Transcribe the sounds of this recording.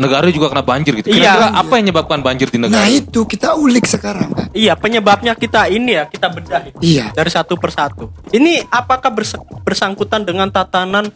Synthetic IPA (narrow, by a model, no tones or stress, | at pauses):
nəɡaɾad͡ʒuɡakənap̚baɲd͡ʒɪrɡit̪ukiaaaʔapajaŋɲəbap̚kanbaɲd͡ʒɪrdinəɡnait̪ukit̪aulɪk̚səkaɾaŋka̰ijapəɲəbap̚ɲakit̪ainijakit̪abərdaɦit̪ijadaɾisat̪upərsat̪uiniapakahbərsəbərsaŋkut̪andəŋant̪at̪anan